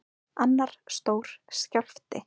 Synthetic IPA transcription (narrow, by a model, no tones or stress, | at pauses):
anːaɾ̥st̪oːwɾ̥scal̥ft̪ɪ̰